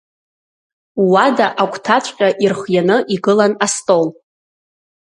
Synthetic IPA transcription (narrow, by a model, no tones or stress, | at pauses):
wadaʔakʷʰʼtʰat͡ɕʷʼqʲʼaʔirχjanɨʔiɡɨlanastʼol